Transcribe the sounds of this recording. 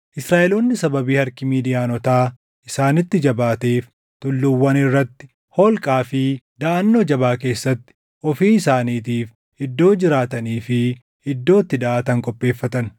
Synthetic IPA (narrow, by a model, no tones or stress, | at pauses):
ʔɪsɾaːʔɛloːnːɪsɐbɐbiːhɐɾkɪmiːd̪ɪjaːnɔt̪aː | ʔɪsaːnɪt̪ːɪd͡ʒɐbaːt̪eːf | t̪ʊlːʊwːɐnɪrːɐt̪ːɪ̥ | hɔːlkʼaːfɪd̪ɐʔɐnːo̞ːd͡ʒɐβaːke̞ːsːɐt̪ːɪ̥ | ʔɔfiːɪsaːniːt̪iːf | ʔɪd̪ːo̞ːd͡ʒɪɾaːt̪ɐniːfɪ | ɪd̪ːo̞ːt̪ːɪd̪ɐʔaːt̪ɐŋkʼɔpʼːe̞ːfːɐt̪ɐn